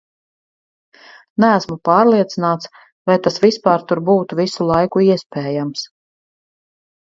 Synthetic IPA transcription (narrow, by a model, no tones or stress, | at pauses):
nææsmupɑːɾlˠiɛt̪sinaːt̪s | vajt̪asvispaːɾt̪uɾbuːt̪uvisulˠajkuiɛspɛːjams